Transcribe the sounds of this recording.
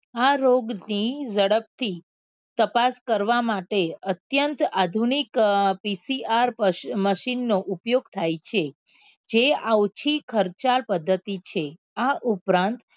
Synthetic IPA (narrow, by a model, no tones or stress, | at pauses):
aɾoɡnid͡ʒəɽəp̚t̪ʰi | t̪əpaskəɾʋamaʈeət̪jənt̪ad̪ʱunikpisiaɾməʃinːoʔupjoɡt̪ʰajt͡ʃʰe | d͡ʒeawt͡ʃʰikʰəɾt͡ʃalpəd̪ʱːət̪it͡ʃʰe | aʔupɾãnt̪